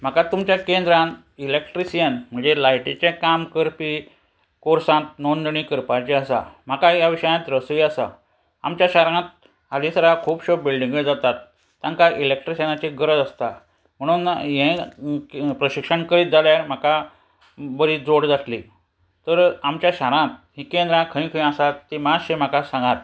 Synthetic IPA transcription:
m̤akat̪umt͡ɕjakend̪ɾãn | ilekʈɾisijənm̤əɳd͡zelajʈit͡ɕekamkəɾpi | koɾsãt̪̚nondəɳ̃ĩkəɾpat͡ɕeəsa̰m̤akajaʋiɕəjãt̪ɾəsujasa̰ | a̰mt͡ɕjaɕaɾɳãt̪̚ | alĩsəɾakʰuːpɕobilɖĩŋɡəd͡zat̪at̪ː | jãŋkaʔilekʈɾisenat͡ɕeɡəɾəd͡zəst̪a | m̤əɽ̃uːnjẽ | pɾəɕikʂəɳkəɾiːt̪̚d͡zaljam̤aka | bəɾid͡zoɽd͡zaʈʰli | t̪əɾamt͡ɕjaɕaɾãt̪ɦikẽnd̪ɾãkʰəĩkʰə̃ĩasat̪ːimaɕẽm̤akasãŋɡat̪̚

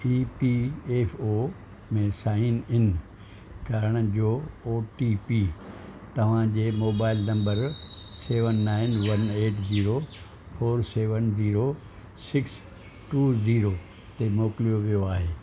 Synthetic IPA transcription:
iːpieːfʰoː | mẽsaːɪnɪn | kɐɾəɽ̃ʊ̆d͡ʑoːoːʈipiːt̪ɐʋ̤ãd͡ʑeːmoːbaːɪlnɐ̃mbəɾseːʋənːaːɪnʋɐneːʈziːɾo | foːɾseːʋənziːɾo | sɪks | ʈuːziːɾo | t̪emoːkɪlijoʋijoaːɦeː

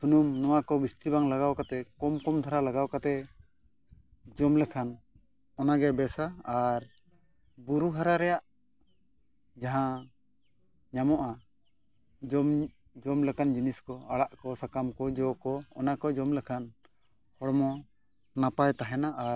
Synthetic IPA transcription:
sunumnɔwakɔbist̪ibaŋlaɡawkat̪ɛkɔmkɔmd̪ʱʰaɾalaɡawkat̪ɛ | d͡ʒɔmlɛkʰan | ɔnaɡɛbɛsaːɾ | buɾuɦaɾaɾɛjaʔ | d͡ʒaɦã | ɲamɔʔa | d͡ʒɔm | d͡ʒɔmlɛkand͡ʒiniskɔaɽaʔkɔsakamkɔd͡ʒɔkɔɔ̰nakɔd͡ʒɔmlɛkʰan | hɔɽɔmɔ | napajt̪aɦɛnaʔaɾ

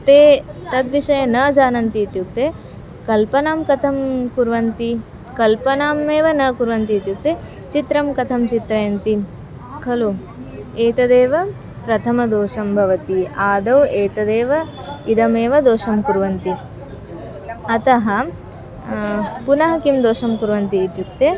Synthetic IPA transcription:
t̪eːt̪ɐd̪ʋiʂɐjɐnɐːd͡ʒaːnɐnt̪iːt̪juk̚t̪eː | kɐlpɐnaːmkɐt̪ʰɐmkuɾʋɐnt̪i | kɐlpɐnaːmeːʋɐnɐkuɾʋɐnt̪iːt̪juk̚t̪eː | t͡ʃit̪ɾɐmkɐt̪ʰɐmt͡ʃit̪ɾɐjɐnt̪i | kʰɐlu | eːt̪ɐd̪eːʋɐ | pɾɐt̪ʰɐmɐd̪oːʂɐmbʱɐʋɐt̪iaːd̪ɐweːt̪ɐd̪eːʋɐ | id̪ɐmeːʋɐd̪oːʃɐmkuɾʋɐnt̪i | ɐt̪ɐɦɐ | punɐɦɐkimd̪oːʃɐmkuɾʋɐnt̪iːt̪juk̚t̪eː

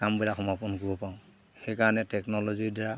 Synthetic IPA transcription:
kambilakʰɔmapɔnkɔbɔpaʊ̃ | xɛjkaɹɔnɛtɛknɔlɔzidɛɹa

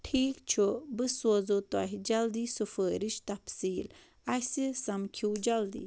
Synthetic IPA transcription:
ʈʰiːkt͡ʃʰobɨsoːzot̪oɐɦid͡ʒɐld̪iːsufəːɾiʃt̪ɐpsiːl | ɐsisɐmkʰiwd͡ʒɐld̪ḭː

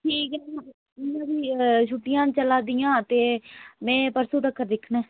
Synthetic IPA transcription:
ʈʰiːkː | ɪnãːd̪iːʃʰʊʈːɪjãːt͡ʃəlaːd̪ɪjãːt̪eːmɛ̃ːpəɾsuːd̪əkːəɾd̪ɪkʰnɛː

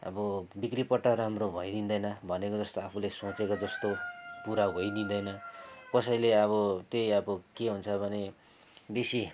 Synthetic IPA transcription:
ʌ̰bʌbikripʌʈːʌɾamrobʱʌjd̪ind̪ʌjnʌbʱʌnekod͡zʌst̪oapʰulesot͡sekod͡zʌst̪opuɾaɦoid̪ind̪ʌjnʌkʌsʌjleʌβʌt̪ejʌbʌkeɦunt͡sʰʌbʱʌne | besi

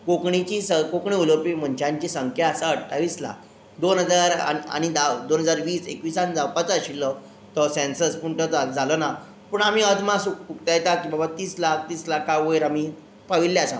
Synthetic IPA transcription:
kokɳit͡ɕiːsəkokɳiuləpim̤əɳt͡ɕʰjãɲt͡ɕiːsəŋkʰjaəsəəɽʈʰaʋiːsla̰k | d̪onɦəd͡zaɾa̰a̰ñid̪ad̪onɦəd͡zaɾʋiːsḛkʋisãnd͡zawpat͡saɕilːɔ | t̪ɔsẽnsəspuɳʈəd͡zʱalɔna | puːɳam̤iəd̪mãsuk̚ukt̪ajet̪akĩbabat̪iːslak̚ʰt̪iːslakːaʋəjɾami | paʋiljasã̰

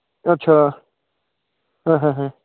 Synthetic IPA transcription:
ətːʃʰa | ɦãɦãɦã

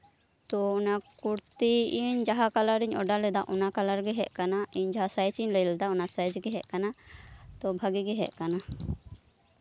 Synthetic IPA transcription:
t̪ɔɔnakuɾt̪iiɲd͡ʒaɦakalaɾiɲɔɖalɛd̪aʔɔnakalaɾɡɛɦɛʔkanaiɲd͡ʒaɦasajt͡ʃiɲləjlɛd̪aɔnasajt͡ʃɡɛɦɛʔkanat̪ɔbʱaɡiɡɛɦɛ̰ʔ̚kana

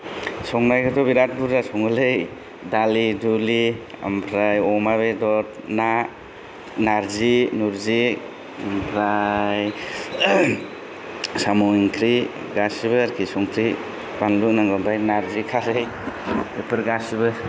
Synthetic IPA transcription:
sɔŋnajkɯtɔbiɾat̚buɾdasɔŋɯlɯj | dalidulia̰mpʰɾajɔmaβedɔɾ | na | naɾzinuɾzi | ampʰɾaj | samuiŋkʰɾi | ɡasibɯaɾkʰisɔŋkʰɾi | banlunaŋɡɔmpʰɾajnaɾzikʰaɾej | epɯɾɡasibɯ

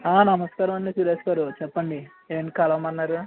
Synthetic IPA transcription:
aːnɐmɐskaːɾɐmɐɳɖisuːɾeːskaːɾut͡ʃɛpːɐɳɖi | eːʋnːikɐlɐʋmɐnːaːɾu

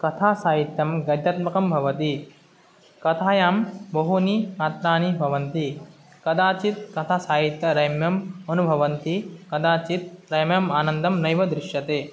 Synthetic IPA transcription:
kɐt̪ʰaːsaːɦit̪jɐmɡɐd̪jɐt̪̚mɐkɐmbʱɐʋɐt̪i | kɐt̪ʰaːjaːmbɐɦunimaːt̪ɾaːnibʱɐʋɐnt̪i | kɐd̪aːt͡ʃit̪̚kɐt̪ʰaːsaːɦit̪jɐɾɐjmjɐmɐnubʱɐʋɐnt̪ikɐd̪aːt͡ʃit̪̚ɾɐjmjɐmaːnɐnd̪ɐmnɐjʋɐd̪ɾɪʃjɐt̪eː

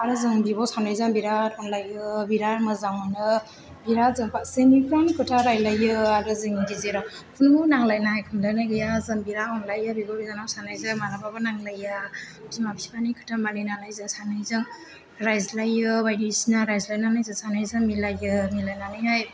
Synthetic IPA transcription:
aɾɯzɯŋbibɔsanajzaŋbiɾatɔnlajɯbiɾaɾmɯzaŋmanɯ | biɾazɯŋpatsemipʰɾanikʰɯtʰaɾajlajɯaɾɯzɯŋdizeɾakʰunmunaŋlajnahajkʰɯmlajnajɡɯjazɯŋbiɾaɔnlajɯbibobizanawsanajzɯmaɾababɯnaŋlaja | timapʰipʰanikʰɯ̥tʰamaninalajzɯsanajzɯŋ | ɾajzlajɯbajɾisinaɾajzlajnanajzɯsanajzɯŋmilajɯmilajnanɯjɦaj

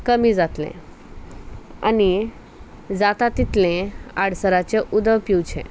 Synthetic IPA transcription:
kəmid͡zat̪lḛ̃ | a̰ni | d͡zat̪at̪it̪lẽaɽsəɾat͡ɕeʔud̪əʋpiwt͡ɕʰḛ̃

